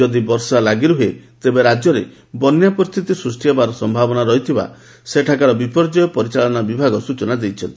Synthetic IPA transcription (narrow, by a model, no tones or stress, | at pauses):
ɔd̪ibɔɾsalaɡiɾuɦet̪ebeɾad͡ʒjɔɾḛ | bɔnjapɔɾist̪ʰit̪isɾusʈijɔbaɾɔsɔmbʱabɔnaɾɔɦit̪ʰiba̰ | seʈʰakaɾɔbipɔɾd͡ʒɔjɔpɔɾit͡ʃaɭɔnabibʱaɡɔsut͡ʃɔnad̪ejt͡ʃʰɔnt̪i